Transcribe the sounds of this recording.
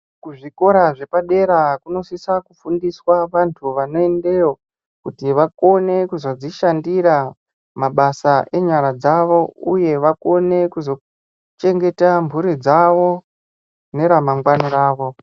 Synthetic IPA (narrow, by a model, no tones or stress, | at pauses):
kuʐiko̞ɾaʐe̞paɗe̞ɾakuno̞sisakufundiswaʋantʰuʋano̞e̞nde̞jo | kutiʋako̞ne̞kuzo̞d͡ziʃandiɾa | maɓasaʔe̞ɲaɾad͡zaʋo̞uje̞ʋako̞ne̞kuzo̞ | t͡ʃe̞ŋɡe̞tambʱuɾid͡zaʋo̞ | ne̞ɾamaŋɡwaniɾaːʋo̞